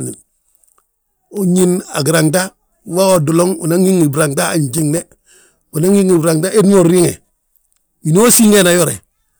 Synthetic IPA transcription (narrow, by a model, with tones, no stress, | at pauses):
nḭ˨ | o˦ɲi˦na̰˨ɡi˨ɾaŋt̬a˦ | wa˦o˨du˨lo˦ŋṵ˨na˦ŋi˦ŋi˨bɾa˨ŋta˦a˨ɲt͡ʃi˦ŋne˦ | u˨na˦ŋi˦ŋi˨bɾa˨ŋta˦ʔe˦dno˦˨ɾɾi˦ŋe˨ | i˨no˦a˦si˦ŋɡe˦na˨jo˦ɾḛ˨